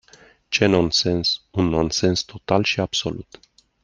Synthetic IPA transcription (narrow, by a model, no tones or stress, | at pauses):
t͡ʃenonsensunːo̞nse̞nst̪o̞t̪alʃiabso̞̰lut̪